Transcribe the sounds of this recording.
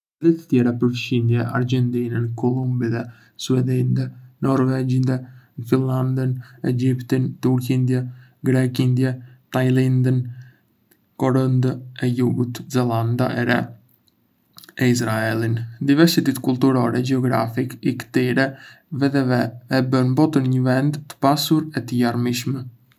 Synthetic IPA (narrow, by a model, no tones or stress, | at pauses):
ðit̪ə̥t̪jɛɾapəɾfʃind̪jɛʔa̰ɾd͡ʒɛnt̪inənkɔlˠumbiðɛ | suɛd̪ind̪ɛnɔɾvɛd͡ʒind̪ɛfinland̪ənɛd͡ʒipt̪int̪uɾkind̪jɛɡɾɛkind̪jɛt̪ajlind̪ən | kɔɾənd̪əɛjuɡut̪zɛlˠand̪a̰ʔɛɾɛ̰ | ɛis̬ɾaɛlˠind̪ivɛɾsit̪it̪kulˠt̪uɾɔɾɛd͡ʒɛɔɡɾa̰fikikə̥t̪iɾɛ | vɛðɛvɛɛbənmbɔt̪əɾɲəvɛnd̪ːə̥pasuɾɛt̪əjaɾmiʃmɛ